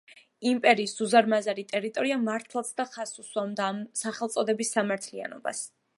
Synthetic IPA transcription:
impʼɛɾiːsuzaɾmazaɾit̪ʼɛɾit̪ʼɔɾiamaɾt̪ʰlˠat̪sʰd̪aχasuswamd̪aːmsaχɛlˠt̪sʼɔd̪ɛbisːamaɾt̪ʰlia̰nɔ̰ba̰s

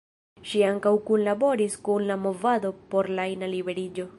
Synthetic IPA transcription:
ʃiaŋkawkunlabo̞ɾiskunlamo̞vado̞po̞ɾlajnalibe̞ɾid͡ʒo̞

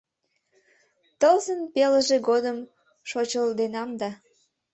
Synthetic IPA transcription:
t̪əlzənpeləʒeɡod̪əm | ʃot͡ɕəld̪enɑmd̪ɑ

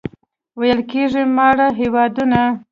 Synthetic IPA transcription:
wajəlkeʐimɑɽaɦewɑd̪una

